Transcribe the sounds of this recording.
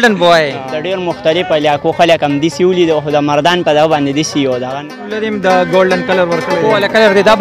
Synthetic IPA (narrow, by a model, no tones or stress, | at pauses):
ɖənbowaed̪əɖeɾmʊxt̪alɪfaljɑkoxaləkamd̪isiwulid̪əxod̪əmaɾd̪ɑːnpəd̪aɣabɑnd̪ed̪isiod̪aɣan | laɾimd̪əɡoɽɖənkɐləɾwəɾk̪əlalakaləɾd̪id̪ab